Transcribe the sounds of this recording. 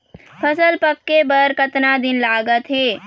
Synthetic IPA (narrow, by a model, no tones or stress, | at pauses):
pʰəsəlpəkːebəɾkət̪nad̪ɪnlaːɡət̪ɦeː